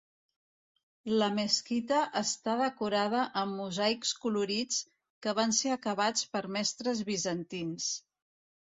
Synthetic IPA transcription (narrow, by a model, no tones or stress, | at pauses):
ləməskit̪əʔəst̪aðəkuɾaðəʔəmːuzajkskuluɾit͡s | kəβ̞anseəkəβat͡spəɾmɛst̪ɾəzβizənt̪ins